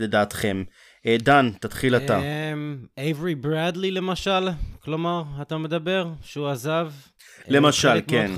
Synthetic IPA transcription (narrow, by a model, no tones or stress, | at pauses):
ledaːt̪χem | edant̪at̪χilat̪amejvʁibʁad̪lile̞maʃalklo̞maʁat̪amed̪abe̞ʁʃeuazav | le̞maʃalen